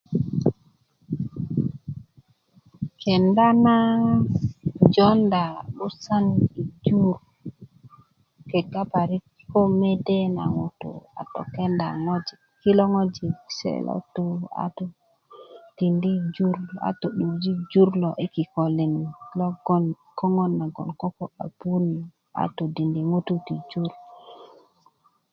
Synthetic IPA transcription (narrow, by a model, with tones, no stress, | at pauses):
kʰe˨nda˦na˦ | d͡ʒɔ˦nda˨ɓu˦sa˦ni˨d͡ʒu˦ɾ | ke˨ɡa˦pa˨ɾi˦kko˦me˦de˦na̰˨ŋu˨tṵ˨a̰˨to˨ke˦nda˨ŋo˦d͡ʒi˨ | ki˦lo˦ŋo˦d͡ʒi˨sḛ˦˨lo̰˦tu˦a̰˨to˨ | ti˨ndi˦d͡ʒu˦ɾa̰˨to˨ɗu˨d͡ʒi˦d͡ʒu˦ɾlo˨ʔe˦ki˨ko˨li˨ni˨ki˦lo˦ɡo˦n | ko˦ŋo˦nːa˨ɡo̰˨nko˦ko˦a̰˨bu˦ni˨ | a̰˨to˨di˨ndi˨ŋu˦tu˦ti˨d͡ʒu˦ɾ